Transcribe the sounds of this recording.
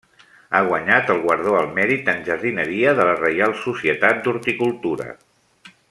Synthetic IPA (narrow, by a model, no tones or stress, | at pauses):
aɣwəɲat̪əlˠɣwəɾð̞oəlˠmɛɾit̪ənʲʒəɾðinəɾiəðələrəjalˠsusiət̪at̪̚d̪uɾt̪ikulˠt̪uɾə̰